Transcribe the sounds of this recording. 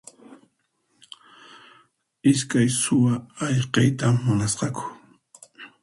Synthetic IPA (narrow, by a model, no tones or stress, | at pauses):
ɪskajsʊwaːʎqɑjt̪amːʊnasqɑkʊ̥